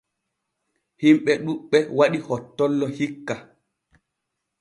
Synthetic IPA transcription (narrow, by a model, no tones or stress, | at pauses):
himɓɛɗuɓːɛwaɗihɔtːɔlːɔhikːa